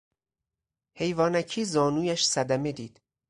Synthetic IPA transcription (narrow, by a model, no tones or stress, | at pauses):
he̞jvɒːnæcʰiːzɒːnuːjæʃsæd̪æme̞d̪iːd̪̥